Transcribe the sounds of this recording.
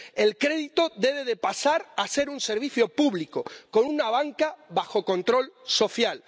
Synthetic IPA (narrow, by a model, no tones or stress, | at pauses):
e̞lkɾe̞ðit̪o̞ðe̞βe̞ðepasaɾase̞ɾunse̞ɾβ̞iθjo̞puβliko̞ko̞nunaβ̞aŋkaβaxo̞ko̞nt̪ɾo̞lso̞θjal